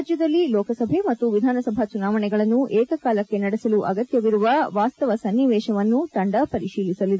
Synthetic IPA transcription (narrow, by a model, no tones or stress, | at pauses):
d͡ʒjɐd̪ɐlːilɔːkɐsɐbʱemɐt̪ːuʋid̪ʱaːnɐsɐbʱɐt͡ʃunaːʋɐɳɛɡɐɭɐnːuʔɛːkɐkaːlɐkːe̞nɐɽɛsɐluʔɐɡɐt̪jɐʋiɾuʋɐʋaːst̪ɐʋɐsɐnːiʋɛːʃɐʋɐnːut̪ɐɳɖɐpɐɾiʃiːlisɐlid̪e